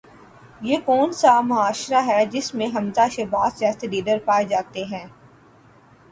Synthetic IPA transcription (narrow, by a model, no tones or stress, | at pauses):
jeːkɔːnsamʊaːʃɾaɦɛd͡ʒɪsmẽɦɐmzaʃebaːszaːst̪ed̪iːd̪əɾpaːed͡ʒaːt̪eɦɛ̃ː